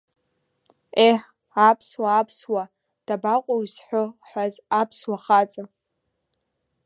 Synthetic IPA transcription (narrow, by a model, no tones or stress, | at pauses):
eħ | apʰswaːpʰswa | d̥abaqʷʼoɥzħʷoħʷᶣazapʰswaχat͡sʼa